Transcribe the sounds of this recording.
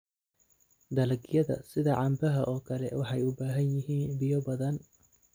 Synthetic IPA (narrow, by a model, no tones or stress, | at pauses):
d̪ɐlɐɡjɐðɐ̰sɪðɐʕɑmbɐɦɐʔɔːkʰɐlɛwɑħɑjʊbaːɦɐnjɪɦiːnbɪjɔbɐðɐn